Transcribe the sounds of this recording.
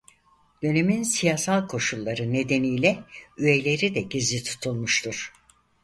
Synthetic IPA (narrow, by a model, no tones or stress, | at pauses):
d̪̥ø̞ne̞minsijaːsalˠkʰo̞ʃulˠːaɾɯne̞d̪e̞nijlʲɛye̞lʲe̞ɾid̪ɛɟizlʲit̪ʰu̥t̪ʰulˠmuʃt̪ʰuɾ̥